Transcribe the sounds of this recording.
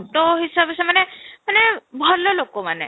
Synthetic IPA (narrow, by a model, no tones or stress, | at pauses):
ʈɔɦisabesɛmanɛmanɛbʱɔlɔlokɔmanɛ̰